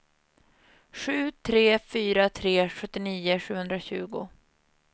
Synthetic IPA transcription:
ɧʉ̟ːt̪ʰɾeːfyːɾat̪ʰɾeːɧɵt̪ːɪniːəɧʉ̟ːhɵnd̪ɾaɕʉ̟ːɡʊ̰

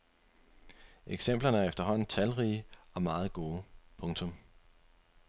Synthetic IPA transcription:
ʔeɡ̥sem̰b̥lɐnəæɐefd̥ɐɦɒ̽n̰n̩t͡sʰælʁiːɒ̽mɑ̈ːð̞̩ˠɡ̥o̝ːpʰɔ̽ŋt͡sʰɔ̽m

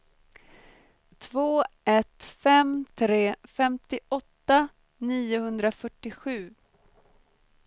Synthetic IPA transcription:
t̪ʰvoːʔɛt̪fɛmt̪ʰɾeːfɛmt̪ɪʔɔt̪ːa | niːʊhɵnd̪ɾafœʈːɪɧʉ̟ː

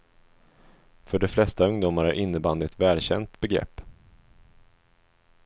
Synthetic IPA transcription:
fœɖɛflɛst̪aɵŋd̪ʊmaɾæɾʔɪnːəband̪ɪt̪vɛːlɕɛ̰nt̪bɛɡɾɛ̰pː

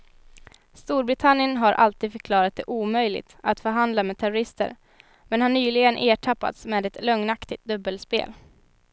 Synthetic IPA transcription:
st̪uːɾbɾɪt̪ʰanjənɦaɾʔa̰lt̪iːd̪fœɾkʰlɑːɾat̪̚d̪ɛʔuːmœjlɪ̰ɡ̚t̪at̪fœɾɦand̪lameːd̪t̪ʰɛɾʊɾɪst̪ə̰ɾ | mɛnhaɳyːlɪɡənʔeːʈʰapːa̰t̪smeːd̪ɛt̪lœŋnakt̪ɪt̪̚d̪ɵbːəlspḛːl

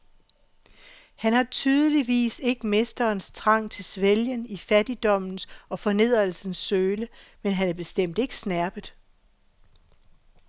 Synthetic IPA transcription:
hænhɑ̈t͡sʰyːð̞ˠəliʋḭːse̝ɡ̥əme̝sd̥ɐːnst͡sʰʁɑ̈ŋ̰t͡sʰe̝lsʋeljənifæd̥id̥ɒ̽m̰n̩sɒ̽fɒ̽nið̞̰ˠʁɐl̩sənsøːləmenɦænæɐb̥e̝sd̥em̰d̥e̝ɡ̥ə̥snæɐb̥ðˠ

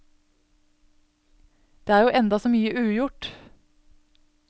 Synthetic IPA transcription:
d̪̥eːæːɾjuːʔɛnd̪ɑsoːmyːəʔʉːjʊʈ

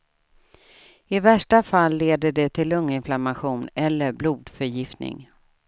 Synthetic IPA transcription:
ɪvæʂʈafalːeːd̪əɖɛt̪ʰɪlːɵŋːɪnflamaɧuːnɛlːəɾbluːd̪fœɾjɪft̪nɪ̰ŋ

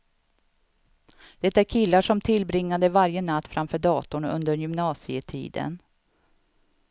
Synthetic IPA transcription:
d̪̥ɛt̪ːæɾkʰɪlːaʂɔmt̪ʰɪlːbɾɪŋːad̪əvaɾjənat̪ːfɾʔamfœːɖɑːt̪ʊɳɵ̰nd̪əjʏmnɑːsɪət̪ʰḭːd̪ə̰n

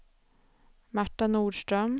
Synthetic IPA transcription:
mæʈɑnuːʃʈɾœm

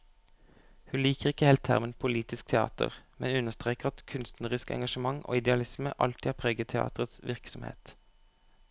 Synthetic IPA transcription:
hʉnliːkəʁɪkəheːlt̪hæ̰ʁmənpʰʊliːt̪ɪsk̚t̪ʰɛɑ̰ːt̪ʰə̰ʁmɛnʉnəʁst̪ʁeːkəʁɑt̪kʰʉnst̪nəʁɪskɛ̰ŋɡɑʃəmɑŋo̰ːɪd̪ɛɑlɪsməʔɑ̰lt̪ɪhɑːʁpʰʁeːɡət̪ʰɛɑ̰ːt̪əʁət̪sʋɪʁksɔmhḛːt̪

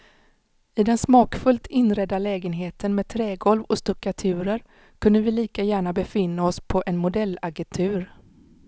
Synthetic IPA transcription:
ɪd̪ɛnsmɑːkfɵlt̪ʰɪnɾɛd̪ːalɛːɡənɦeːt̪ʰənmeːd̪̚t̪ʰɾɛːɡɔlvɔst̪ʊkat̪ʰʉ̟ːɾəɾ | kʰɵnd̪əvɪliːkajæːɳabɛfɪnːaɔspʰɔʔɛnmʊd̪ɛlːaɡənt̪ʰʉ̟ːɾ

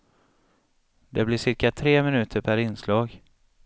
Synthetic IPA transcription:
d̪ɛblɪʂɪɾkat̪ʰɾeːmɪnʉ̟ːt̪ʰəɾpʰæɾɪnslɑːɡ

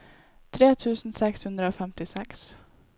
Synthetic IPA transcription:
t̪ʰɾeːt̪ʰʉːsn̩sɛkshʉnd̪ɾəoːfɛmt̪ɪsɛks

